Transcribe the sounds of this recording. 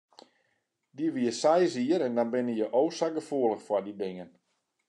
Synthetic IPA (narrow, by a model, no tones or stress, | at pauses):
diʋiəsɛjziəɾɛndɔnbɪnəjəʔoːsaɡəfuələxfwɔdidɪŋən